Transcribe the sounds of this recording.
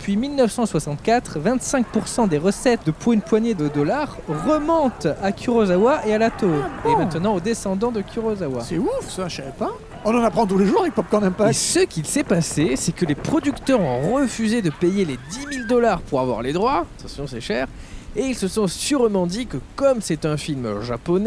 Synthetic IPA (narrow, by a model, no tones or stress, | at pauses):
əpɥimilnəfsɑ̃swasɑ̃t̪kʲat̪χvɛ̃t̪sɛ̃k̚puʁsɑ̃d̪eʁəsɛt̪̚d̪əpwynpwaɲjed̪əd̪ɔlaʁʁəmɔ̃t̪akʲʰyʁɔzawaʔealat̪obẽmɛ̃t̪ənɑ̃od̪esɑ̃d̪ɑ̃d̪əkʰʲyʁɔzawasɛufsaʃaɛpa | ɔ̃nɑ̃napχɑ̃t̪uleʒuʁavɛk̚pɔp̚kɔ̃nɛ̃mpasəkʲilsɛpasesɛkəlepχɔd̪ykt̪œʁɔ̃ʁəfyzed̪əpejeled̪imild̪ɔlaʁpuʁa̰vwa̰ʁled̪ʁwaat̪ɑ̃sjɔ̃sɛʃɛːʁ | eilsəsɔ̃syʁmɑ̃d̪ikəkɔmsɛt̪ɛ̃filmʒapɔnɛ